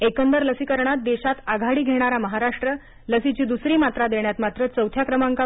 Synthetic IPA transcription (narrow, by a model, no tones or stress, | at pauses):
ekəmbəɾləsikəɾɳat̪̚d̪eɕat̪aɡʱaɽiːɡʱeɽ̃aɾaməɦaɾaʂʈɾə | ləsit͡ɕiːd̪usɾiːmat̪ɾad̪eɳjat̪mat̪ɾət͡səwt̪ʰjakɾəmaŋka